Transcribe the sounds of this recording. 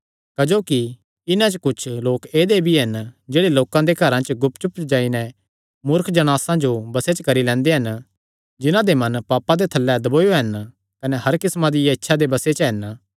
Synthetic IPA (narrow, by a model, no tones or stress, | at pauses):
kɐd͡ʒoːki | ɪnãt͡ʃkʊt͡ʃʰloːkeːd̪ebʱiɦɐnd͡ʒeːɽeloːkãd̪ekɐɾãt͡ʃɡʊpt͡ʃʊpd͡ʒaːinɛ | mʊɾkʰd͡ʒɐɽ̃aːsãd͡ʒobɐset͡ʃkɐɾilɛ̃ːnd̪eɦɐn | d͡ʒɪnãd̪emɐ̃npaːpãd̪et̪ʰɐlːɛd̪ɐboːjoɦɐn | kɐnɛɦɐɾkɪsmãd̪ɪjaɪtːʃʰad̪ebɐset͡ʃɦɐn